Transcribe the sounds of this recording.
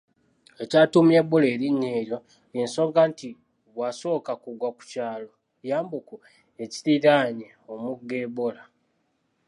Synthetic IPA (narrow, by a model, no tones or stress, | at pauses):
e̞caːtumjebole̞ːɾiɲːeːɾjo̞ | enso̞ŋɡanti | βwaso̞ːkakuɡwaku̥caːlo̞ | jaːmbuku | e̞ci̥tiɾaɲe | omuɡeːβola